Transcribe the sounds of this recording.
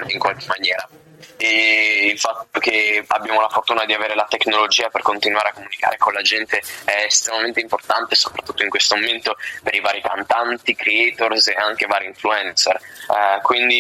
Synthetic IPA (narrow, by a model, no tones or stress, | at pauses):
iŋkwalkemːanjɛːɾa | eilfat̪ːokea̰bːjaːmolafort̪uːnad̪iaveːɾelat̪ekːnolod͡ʒiːaperkont̪inuaːɾeakːomunika̰ːɾekolad͡ʒɛnt̪eɛest̪ɾemament̪eimport̪ant̪eso̥pɾat̪ːu̥t̪ːoiŋkwest̪omoment̪opeɾivaːɾik̪a̰nt̪ant̪ikɾeɛt̪orseaŋk̟evaːɾiiɱfluɛnt̪serkwind̪i